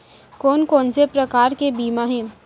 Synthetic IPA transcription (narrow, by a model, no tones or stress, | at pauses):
koːnkoːnsepɾɐkaːɾkebiːmaɦɛ̃ː